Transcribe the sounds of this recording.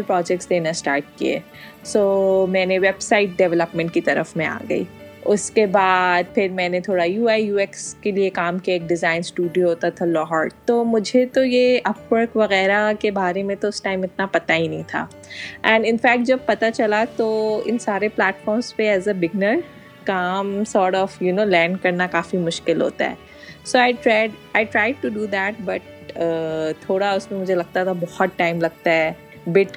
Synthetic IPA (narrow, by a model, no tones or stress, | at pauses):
lpɾɔːd͡ʒɛk̚ʈsd̪eːnasʈaːɾʈ̚kḭḛː | soːmɛ̃ːneʋɛbsaɪʈ̚ɖɛʋɛləpmɛ̃ɳʈ̚kit̪ɐɾə̰fmẽa̰ːɡɐ̰ḭːʊskebaːd̪̚pʰɪɾmɛ̃ːnet̪ʰoːɽajuːaːijuːɛkskeliekaːmkeeːk̚ɖɪzaːɪnsʈuːɖijoɦoːt̪at̪ʰalɔːɦaːɾt̪omʊd͡ʒʱet̪ojeʔɐpwəɾkʋɐɣɛːɾakebaːɾemẽt̪oʊsʈaːɪmɪt̪̚napɐt̪aɦinɐ̃ɦĩt̪ʰa̰ː | ɛ̃ɳɖɪ̃nfæːk̚ʈ̚d͡ʒɐb̚pɐt̪at͡ʃɐlat̪oɪ̰nsaːɾeplɛːʈfɔːɾmspeɛːzəbɪɡ̚nəɾ | kaːmsɔːɾʈɔːfjunoːlɛ̃ːɳɖkɐɾnakaːfimʊʃkɪlɦo̰ːt̪a̰ɦɛ̰ː | soaɪʈɾaɪɖaːɪʈɾaːɪɖ̚ʈuɖuːd̪ɛːʈ̚bɐʈ̚ | ət̪ʰoːɽaʊsmẽmʊd͡ʒʱelɐɡ̚t̪at̪ʰabɔhɔt̪̚ʈaːɪmlɐɡ̚t̪aɦɛː | bɪʈ